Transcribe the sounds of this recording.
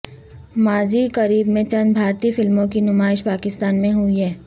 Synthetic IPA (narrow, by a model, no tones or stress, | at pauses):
maːzikəɾiːbmẽt͡ʃɐ̃nd̪bʱaːɾt̪ifɪlmõkinʊmaːɪʃpaːkɪst̪aːnmẽɦʊiɦɛː